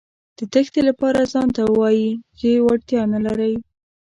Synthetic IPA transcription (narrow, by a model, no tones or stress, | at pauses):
d̪̥ət̪əxt̪elapɑɾazɑnt̪awɑjizewaɽt̪jɑnalaɾəj